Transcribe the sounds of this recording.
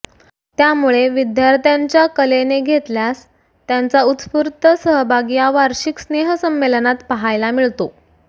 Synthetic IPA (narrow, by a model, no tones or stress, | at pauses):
t̪jamuɭeʋid̪jaɾt̪jaɲt͡ɕjakəleneɡʱet̪ljas | t̪jant͡saut̪puɾt̪əsəɦəbʱaɡijaʋaɾɕiksneɦəsəmːelənat̪pəɦajlamiɭt̪o